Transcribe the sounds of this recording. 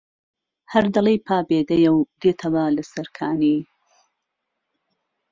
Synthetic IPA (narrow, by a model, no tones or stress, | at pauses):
hɐɾd̪ɐlˠijpʰaːbeːd̪ɐjɐwd̪eːt̪ʰɐwalɐsɐɾkʰaːniː